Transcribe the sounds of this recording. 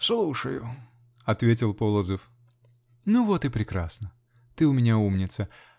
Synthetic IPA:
slˠuʂəjʊ̰ | ɐt̪vʲetʲɪlˠpolˠəzəf | nuvot̪ɨpɾʲɪkɾasnə | t̪ɨʊmʲɪnʲaumnʲɪt̪sə

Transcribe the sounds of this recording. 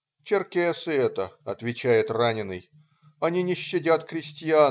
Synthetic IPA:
t͡ɕɪrkʲesɨɛt̪əɐt̪vʲɪt͡ɕæjɪt̪ranʲɪnɨj | ɐnʲinʲɪɕːɪdʲat̪kɾʲɪsʲtʲɪja

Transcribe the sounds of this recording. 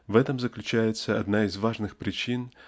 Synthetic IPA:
vɛt̪əmzəklʲʉt͡ɕæjɪt̪səɐd̪naɪzvaʐnɨxpɾʲɪt͡ɕin

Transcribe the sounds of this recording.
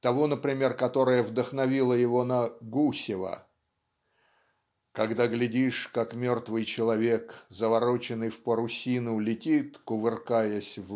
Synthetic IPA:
t̪ɐvonəpɾʲɪmʲe̞rkɐt̪o̞ɾəjəvd̪əxnɐvʲilˠəjɪvo̞nɐɡusʲɪvə̰ | kɐɡd̪aɡlʲɪdʲiʂkakmʲo̞rt̪vɨjt͡ɕɪlˠɐvʲe̞kzəvɐɾo̞t͡ɕɪnːɨjfpəɾʊsʲinʊlʲɪtʲit̪kʊvɨrkajəsʲv

